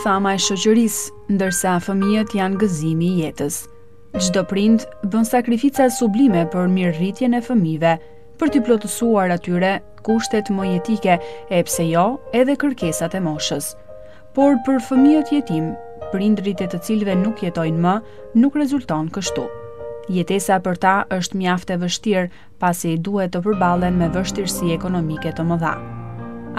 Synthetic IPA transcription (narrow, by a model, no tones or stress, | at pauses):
θamaɛʃɔt͡ɕəɾis | nd̪əɾsafəmijət̪janɡəzimijɛt̪əs | d͡ʒd̪ɔpɾind̪bənsakɾifit͡sasublimɛpəɾmiɾrit̪jɛnɛfəmivɛ | pəɾt̪əplɔt̪əsuaɾat̪yɾɛ | kuʃt̪ɛt̪mɔjɛt̪ikɛɛpsɛjɔɛðɛkəɾkɛsat̪ɛmɔʃəs | pɔɾpəɾfəmiɛt̪əjɛt̪im | pɾind̪ɾit̪ɛt̪ət͡silvɛnukjɛt̪ɔjnmə | nukrɛzult̪ɔnkəʃt̪u | jɛt̪ɛsapəɾt̪aʔəʃt̪mjaft̪ɛvəʃt̪iɾ | pasid̪uhɛt̪ːəp̬əɾbalˠɛnmɛvəʃt̪iɾsiɛkɔnɔmikɛt̪əməða̰